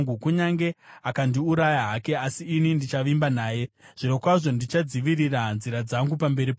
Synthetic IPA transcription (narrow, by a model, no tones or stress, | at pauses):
ukuɲaŋɡe̞akandiuɾajaɦake̞asiːnindit͡ʃaʋimbanaːje̞ʐ̥ino̞kwaʐo̞ndit͡ʃad͡ziʋiriranziɾad͡zaŋɡupambe̞ɾip